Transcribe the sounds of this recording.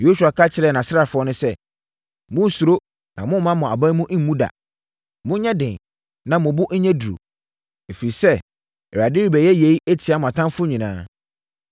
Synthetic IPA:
jo˦su˨a˨kʰa˦t͡ɕʰɪ˨ɾɛ˦˨nã˨sɪ˦ɾa˨fʊ˦ɔ˦nʊ̃˦sɛ˦ | mʊ̃˦˨su˨ɾo˦ | nʔã̰˨mʊ̃˦mã˦mʊ̃˨a˨bã˦mũ˦ʔ̩˦m̩˦mũ˦da̰˨ | mʊ̃˦ɲɛ̃˦dɪ̃˨n˨ | nã˨mʊ̃˨bʊ˦ʔn̩˦ɲɛ̃˦du˨ɾo̰˨ | e˨fi˨ɾi˨sɛ˦ | ɛ˨ɾa˨dɪ˦ɾi˦bɛ˨jɛ˦je˨˦i˦ɛ˦tʰɪ˨˦a˨˦mʊ̃˨a˨tʰã˦fʊ˦ɲĩ˨nãː˦

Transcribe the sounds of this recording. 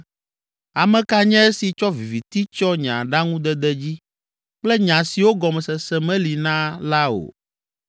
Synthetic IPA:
a˨mɛ̃˨ka˦ɲɛ̃˦e˦si˨t͡ʃɔ˦vi˨vi˨t̪i˦t͡ʃɔ˦ɲã̰˨ɖa˦ŋũ˦d̪ɛ˦d̪ɛ˦d͡ʑi˦ | k͡plɛ˦ɲã˨si˨wo˦ɡɔ˨mɛ˨sɛ˨sɛ˦mɛ̃˦li˨nã˦la˦o̰˨

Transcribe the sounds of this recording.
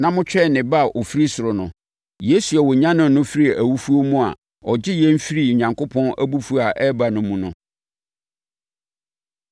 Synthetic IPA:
nã˦mʊ̃˦t͡ɕʰᶣɛ˦˨nɪ̃˨ba˦˨ʔo˨fi˦ɾi˦sʊ˨ɾʊ˨nʊ̰̃˨ | je˦su˨ɛ˨wɔ˨ɲã˦nʊ̃˨nʊ̃˦fi˦ɾi˦˨æ˨wu˦fu˦o˦mũ˦a̰˨ | ɔ˨d͡ʑɪ˦jɛ̃˦m̩˦fi˦ɾi˨ɲã˨ŋkʰo˦pʰɔ̃˦næ̰˦bu˦fu˦a˨ʔɛ˦ba˨nʊ̃˨mũ˨nʊ̰̃˨

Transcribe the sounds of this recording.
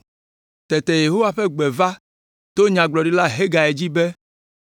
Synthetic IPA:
t̪ɛ˨t̪ɛ˨je˨ɦo˦wa˨ɸɛ˦ɡ͡bɛ˨va˦ | t̪o˦ɲã˨ɡ͡blɔ˨ɖi˦la˦ɦe˦ɡa˨e˨d͡ʑi˦bɛ˦

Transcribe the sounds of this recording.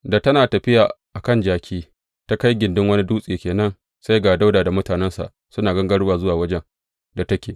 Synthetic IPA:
da˨tɐ˦naː˨tɐ˨ɸɪ˦jaː˨ʔa˨kɐ˦nd͡ʒaː˦kʲʰiː˦ | ta˦ka˦jɡʲɪ˨ndɪ˦ŋwɐ˦ni˦duː˦sʼiː˨kʲeː˨nɐ˦n | sa˦jɡaː˨da˦wdaː˨da˨mʊ˦taː˨nɛ˦nsa̰˨ʔ | sʊ˦naː˨ɡɐ˦ŋɡɐ˦ɽwaː˨zʊ˦waː˨wɐ˦d͡ʒɛ˦n | da˨tɐ˦kʲeː˨

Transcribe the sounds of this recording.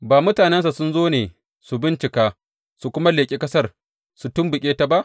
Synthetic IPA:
baː˨mʊ˦taː˨nɛ˦ns̬a˨sʊ˦nzoː˦neː˨ | su˨bɪ˦nt͡ʃɪ˨kaː˦ | su˨kʷʊ˦ma˦leː˨kʲʼi˦kʼɐ˦sɐ˦˨r | su˨tʊ˦mbʊ˨kʲʼeː˦ta˨ba˦ʔ

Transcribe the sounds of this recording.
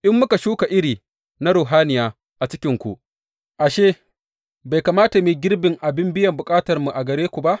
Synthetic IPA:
ʔɪ˦mːʊ˦ka˨ʃuː˦ka˨ʔɪ˦ɽiː˨ | na˦ɽuː˨ɦaː˦nɪ˨jaː˦ | ʔa˨t͡ʃɪ˦kʲɪ˦ŋkʷu˨ʔ | ʔa˨ʃeː˦ | ba˨jkaː˨maː˦ta˨miː˨ɡʲɪ˦rbɪ˨ŋʔa˨bɪ˦mbɪ˦jɐ˨mbʊ˨kʼaː˦tɐ˨rmu˨ʔa˨ɡɐ˨ɾeː˦kʷu˨ba˦ʔ

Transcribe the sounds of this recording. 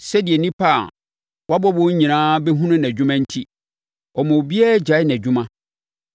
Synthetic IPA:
sɛ˦dɪ˨ɛ˨nĩ˦pʰa˦˨ | wa˦bɔ˦bɔ˦ɲĩ˨nãː˦bɛ˦ɦũ˦nʊ̃˦n˨æ˨d͡ʑᶣʊ̃˦mã˦n̩˦tʰi˦ | ɔ˨mɔ̃˨bi˦ɛ˦d͡ʑa˨˦ɪ˦n˨æ˨d͡ʑᶣʊ̃˦mã˦

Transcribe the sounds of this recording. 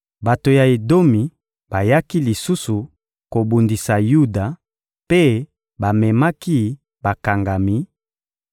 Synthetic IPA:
ba˨to˨ja˨e˨do˦mi˨ | ba˨ja˦ki˦li˨su˦su˨ | ko˨bu˨ndi˨sa˨ju˦da˨ | pe˦ | ba˨mɛ˨ma˦ki˦ | ba˨ka˨ŋɡa˨mi˦

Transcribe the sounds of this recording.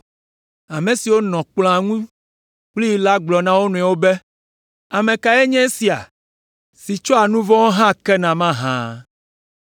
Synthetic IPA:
a˨mẽ˨si˨wo˦nɔ̃˨k͡pl̃a˨ŋũ˦ | k͡pli˦ji˨la˦ɡ͡blɔ˨nã˦wo˦nũ˨ɛ˨wo˦bɛ˦ | a˨mẽ˨ka˨ɛ˦ɲɛ̃˦si˨a̰˨ | si˨t͡ʃɔ˦a˨nũ˦vɔ̃˦wo˦ɦã˦kɛ˦nã˨mã˦ɦã̰˦

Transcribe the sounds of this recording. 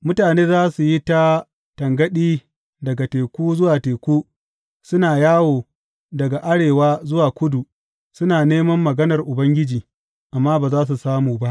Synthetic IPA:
mʊ˦taː˨neː˦zaː˦su˨ji˦ta˦ | tɐ˨ŋɡɐ˦ɗiː˦ | dɐ˨ɡa˨teː˨kʷuː˦zʊ˦waː˨teː˨kʷuː˦ | sʊ˦naː˨jaː˦woː˨ | dɐ˨ɡa˨ʔa˦ɽeː˨waː˦zʊ˦waː˨kʷʊ˦du˨ | sʊ˦naː˨neː˦mɐ˦mːɐ˨ɡɐ˦nɐ˨rʔʊ˨bɐ˦ŋɡʲɪ˦d͡ʒiː˨ | ʔa˨mːaː˦baː˨zaː˦s̬u˨saː˦muː˨ba˦ʔ

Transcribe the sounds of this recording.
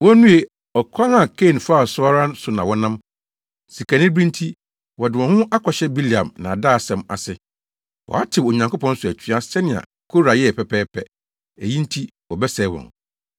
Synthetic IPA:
wɔ˦nũ˦e˨ | ɔ˨kʰã˦ŋa˨kʰe˦˨nfaː˦˨sʊ˦a˦ɾã˦n˦sʊ˨nã˨wɔ˦nã˦m | si˨kʰæ˨nɪ̃˦bɾĩ˦n˦tʰi˦ | wɔ˨dɪ˨wɔ̃˨hʊ̃˦ʔa˦kʰɔ˨ɕɛ˦bi˦li˨ã̰˨mnã˨a˨daː˦˨sɛ̃˨ma̰˨sɪ˨ | wɔ̰˨a˦tʰɪ˨o˨ɲã˨ŋkʊ˦pʰɔ̃˦n̩˦sʊ˨æ˨t͡ɕʰᶣɥa˦sɛ˦nɪ̃˨ã̰˨ | kʰo˦ɾa˨jɛ˦ɛ˨pʰɛ˨pʰɛː˦pʰɛ˨ | æ˨jĩ˦n̩˦tʰi˦ | wɔ˨bɛ˦sɛː˨˦wɔ̰̃˨n

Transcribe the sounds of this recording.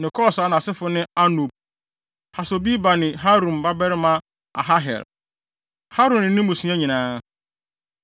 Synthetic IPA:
nɪ̃˨kʰɔ˦˨sa˨˦nã˨sɪ˦fʊ˦nɪ̃˦a˦nu˨b̚ | ha˨so˨bi˦ba˨nɪ̃˨ɦa˦ɾũ˨m˨ba˦bɛ˦ɾɪ˦mã˦ | a̰˨ɦa˦ɦɛ̰˨l | ha˦ɾʊ̃˨nɪ̃˨nɪ̃˦mũ˨sũ˨˦ã˦ɲĩ˨nãː˦

